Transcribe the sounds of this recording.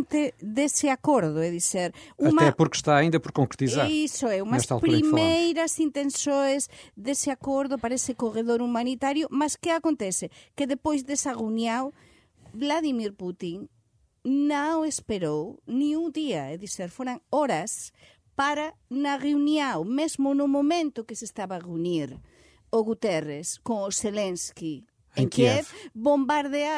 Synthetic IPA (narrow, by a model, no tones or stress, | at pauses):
nt̪ɪðesɪakoɾðʊɛðiseɾumɐɛpuɾkʃt̪aːĩnd̪ɐpoɾkõŋkɾt̪izaɾisoɛumɐɛsʃt̪alˠtpɾɾimejɾɐsint̪ẽnsojzðesɪakoɾðʊpaɾɐesɪkoreðoɾumanit̪aɾjʊmaskɪakont̪ɛθɪkɪðepojzðesɐrunjaw | blaðimiɾput̪iŋ | nãespeɾownĩŋuŋd̪iaeðiseɾfoɾaŋoɾɐs | paɾanaɣeunjawmezmʊnʊmomẽnt̪ʊkesest̪aβaʁeuniɾ | oɣut̪ɛreskoŋoselenski | eŋkɛfbombaɾðea